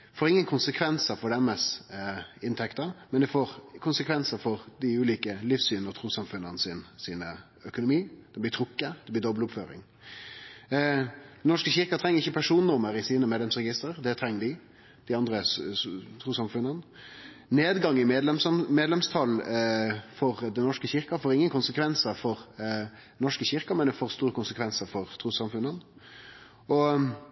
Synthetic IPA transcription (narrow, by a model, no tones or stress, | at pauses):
foːɾɪŋːənkʰʊnsəkʰʋɛnsəfɔɾɖ̪ɛməs | ɪnt̪ʰɛkt̪ɑmɛnd̪ɛfoːʁkʰʊnsəkʰʋɛnsəfɔʁd̪ɪʉːliːkəlifsyːnəɾt̪ʰɾuːsɑmfʉnːənsinsiːnə | œkʊnʊmiːd̪̥ɛblɪt̪ʰʁʊkːəd̪̥ɛblɪd̪ɔbəlʊpføːɾɪ̰ŋ | d̪nɔʂkəçɪʁkɑt̪ʰɾɛŋːəɾɪçːəpʰæʂuːnənʊməɾɪsiːnəmeːd̪lɛmsɾɛɡɪst̪ɾəɾd̪ɛt̪ʰɾɛŋːəd̪ɪ | d̪̥ɪɑnd̪ɾə | t̪ʰɾuːsɑmfʉnːən | neːd̪ɡɑŋːɪmemeːd̪lɛmst̪ʰɑlː | fɔʁd̪ɛnnɔʂkəçɪʁkɑfoːɾɪŋːənkʊnsəkʰʋɛnsəfɔʁ | nɔʂkəçɪʁkɑmɛnd̪ɛfoːʁst̪uːɾəkʰʊnsəkʰʋɛnsəfɔʁt̪ʰɾuːsɑmfʉnːən | ɔ